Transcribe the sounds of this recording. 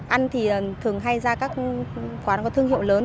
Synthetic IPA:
ʔa˧nt̪ʰi˨˩˨t̪ʰɨ˨˩əŋɦa˧jzaː˧kaː˦˥k̚xwaː˨˦nkɔ˨˦t̪ʰɨ˧əŋɦḭ˧˨wləː˨˦n

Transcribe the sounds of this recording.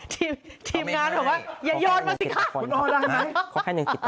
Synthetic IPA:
t̪ʰiː˧mt̪ʰiː˧mŋaː˧nʰɔː˨˩waː˥˩jaː˨˩jɔː˧˩n̚maː˧si˨˩a˦˥˩u˧˦ʔɔː˧˩la˧˩ma˦˧˥jkʰaː˥˩˨a˨˧ŋ˧˨˩

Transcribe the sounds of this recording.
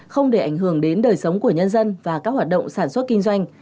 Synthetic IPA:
xə˧wŋ͡mɗe˧˩ʔa˨˧˩jŋɦɨ˧˩əŋɗe˨˦nɗəː˨˩jsə˨˦wŋ͡mku˧˩əɲə˧nzə˧nvaː˨˩kaː˦˥k̚waː˨˩t̚ɗə̰˧˨ŋ͡msaː˧˩nswə˦˥t̚kï˧ŋzwa˧jŋ̟

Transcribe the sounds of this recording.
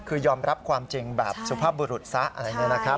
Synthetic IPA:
kʰɯː˧jɔː˧mɾa˦˥p̚kʰwaː˧mt͡ɕi˧ŋbɛː˨˩p̚su˧pʰaː˥˩buː˧ɾu˨˩t̪̚sa˦˥ʔa̰˧ɾa˧˩jnɯ˦˥˩na˦˥kʰɾa˦˥

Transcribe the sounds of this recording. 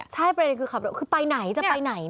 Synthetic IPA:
t͡ɕʰa˥˩jpɾa˧de˧nkʰɯː˧kʰa˨˩pɾwkʰɯː˧pa˧jna˨˩˦jt͡ɕa˨˩pa˧jna˨˩˦j

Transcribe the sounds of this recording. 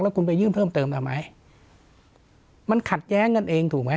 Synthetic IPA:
k̚lːɛ˦˥ku˧np̬a˧jɯː˥˩mtʰɤː˥˩mt̪ɤː˧mt̪ʰa˧˩ma˦˥j | ma˧nkʰa˨˩t̪̚jɛː˦˥ŋːɤ˧nʔeː˧ŋt̪ʰuː˨˩k̚ma˦˥

